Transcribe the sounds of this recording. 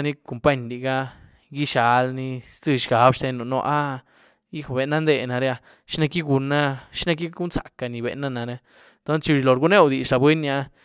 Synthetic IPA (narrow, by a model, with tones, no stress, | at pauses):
ni˦ko˨mpa˦ɲli˨ɡa˦ | ɡi˦ʃa˧lni˧st͡sɨ˧ʃɡa˨˦bʂt̪e˧˦no˨no̰˦˧ʔa˦ | i˦xbe˨na˦nd̪e˧na˨ɾe˦a˧ | ʃi˦na˧ki˦ɡu˧na˦ʃi˦na˧k̬i˦ɡu˦nsa̰˨ka˨ni˨bḛ˨na˦na˨ɾa˧ | t̪o˦nst͡ʃi˧i˧˨lo˨ɾɡu˦ne˦wd̪i˨ʃɾa˨bwe˦nːa˧